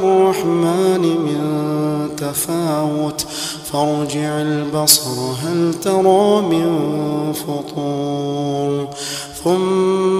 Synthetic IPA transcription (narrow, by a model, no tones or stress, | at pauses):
rˤːɑħmaːnɪmɪnt̪afaːwʊt̪ | fɑɾˤd͡ʒɪʕalbɑsˤɾˤɦalt̪ɑɾˤɑːmɪnfʊt̪ˤuːɾ | θʊmː